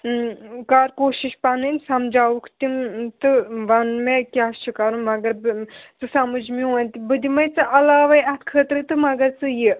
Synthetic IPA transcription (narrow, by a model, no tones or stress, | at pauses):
kaːɾkoːʃiʃpɐnɨnʲsɐmd͡ʒaːukʰt̪imt̪ɨʋɐnmekʲaːst͡ʃʰɨkɐɾunmɐɡɐɾt͡sɨsɐmɐd͡ʒmũɐnʲt̪ibɨd̪ʲimɐjt͡sɨʔɐlaːʋɐjɐt̪kʰəːt̪ɾɨt̪ɨmɐɡɐɾt͡sɨji